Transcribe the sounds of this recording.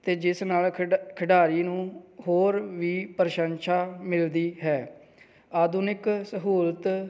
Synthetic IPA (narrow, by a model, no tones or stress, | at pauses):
t̪eːd͡ʒɪsnaːlkʰəɖaːɾiːnũːɦoːɾʋiːpəɾʃənʃaːmɪld̪iːɦɛː | aːd̪ʊnɪksəɦuːlt̪